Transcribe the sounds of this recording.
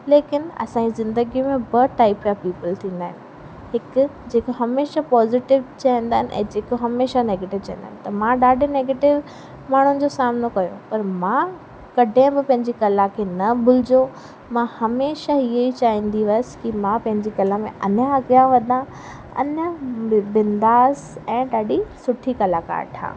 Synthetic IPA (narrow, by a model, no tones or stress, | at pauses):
leːkɪnɐ̰sãːd͡ʑizɪ̃nd̪əɡijũmẽbɐʈaːɪpjapiːpəlt̪ʰĩːn̆d̪aːɦɪnɪ̆ | ɦɪkd͡ʑeːkoɦɐmeːʃapɔːzɪʈɪʋt͡ɕaːĩːnd̪aːɦɪnʔɛ̰̃ːd͡ʑeːkoɦɐmeːʃaneːɡeːʈɪʋt͡ɕãɦnd̪aːɪ̃nɪ̆t̪ɐmãɗaːɖʱeneːɡeːʈɪʋ | maːɳ̤ʊnɪ̆d͡ʑosaːmnokɐjo̰pɐɾmã | kɐɖʱẽbɪpɐ̃ɦɪ̃ɲd͡ʑikɐlakʰeːnɐbʱʊl̤ɪd͡ʑo | mãhɐmeːʃaieit͡ɕaːĩːn̆d̪iʋɐəsɪ̥kimãpɐ̃ɦɪ̃ɲd͡ʑikɐləmẽʔɐnaɐɡijaʋɐd̪ã | ɐ̰nəbɪ̃nd̪aːzɛ̃ːɗaːɖisʊʈʰikɐlaka̰ːɾʈʰã̰ː